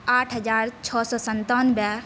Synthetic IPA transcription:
aːʈʰɦəd͡ʒaːɾt͡ʃʰɔːsɔːsənt̪aːnba

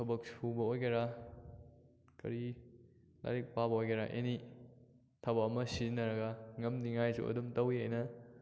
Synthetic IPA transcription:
tʰɐbɐk̚subɐojɡeɾa | kɐ̰ɾi | la̰ɾik̚pabɐojɡeɾa̰ʔḛni | tʰɐbɐːmɐsinɐɾɐɡɐŋɐmdiŋajsṵʔɐ̰dumtɐwiajnɐ

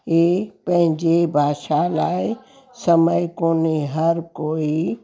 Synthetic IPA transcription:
epə̃ɦɪ̃ɲd͡ʒebʱaːʃalaːe | səməjkoːneɦəɾkoːi

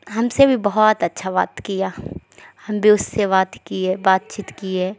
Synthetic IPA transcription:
ɦɐmsebʱibɐɦɔt̪ɐtːʃʰaʋa̰ːt̪kija | hɐmbʱiʊsːeʋaːt̪kiɛbaːt̪̚t͡ʃiːt̪kiɦɛː

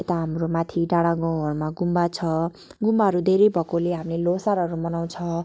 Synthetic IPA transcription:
et̪aɦamromat̪ʰiɖaɽ̃aɡʌ̃w̃ɦʌrmaɡumbat͡sʰʌ | ɡumbaɦʌɾud̪ʱeɾejbʱʌkoleɦamlelosaɾɦʌɾumʌnaw̃t͡sʰʌ

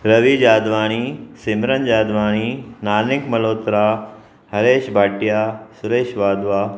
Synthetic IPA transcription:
ɾɐʋid͡ʑaːd̪ʋaːɽ̃iːsɪmɾənd͡ʑaːd̪ʋaːɽ̃iːnaːnɪkmɐloːt̪ɾaː | hɐɾeːʃbʱaːʈijaːsʊɾeːʃʋaːd̪ʋaː

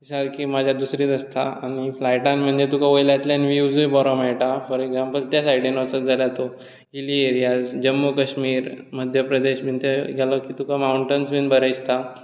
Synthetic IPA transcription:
isalkiːmad͡ʑʱjad̪usɾiːt̪əst̪aañiflajʈãnm̤əɳd͡zet̪ukʰaʋojlat̪lanʋud͡zbɔɾɔmajʈapəɾeɡd͡zãmpəlt̪jasajiʈinɔt͡sət̪d͡zʱaljat̪o | ilieɾijad͡zd͡ʑəmːukəɕmiːɾməd̪ʱjəpɾəd̪eɕmint̪eɡʱɛlɔkiːt̪ukʰamauɳʈənsʋinbəɾəjst̪a

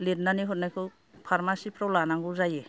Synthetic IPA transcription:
let̚naniɦɔt̚najkʰɯ | pʰaɾmasipʰɾɔlanaŋɡuzaje

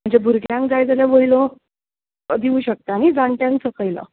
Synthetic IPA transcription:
m̤əɳd͡zebʱuɾɡljãŋk̚d͡zajd͡zaljaʋojlõ | əd̪ʱiuːɕək̚t̪aːɽ̃id͡zaɳʈjãŋksəkəjlə̰

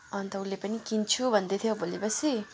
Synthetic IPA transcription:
ʌnt̪ʌulːepʌnikint͡sʰubʱʌnd̪et̪ʰjobolepʌsi

